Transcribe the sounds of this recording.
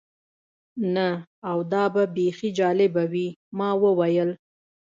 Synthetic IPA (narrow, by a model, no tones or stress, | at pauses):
naawd̪ɑbabexid͡ʒɑlɪbawimɑwəwajəl